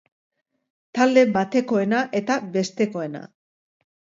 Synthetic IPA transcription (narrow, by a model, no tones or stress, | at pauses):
t̪ald̪e̞bat̪e̞ko̞e̞naʔe̞t̪abe̞st̪e̞ko̞e̞na̰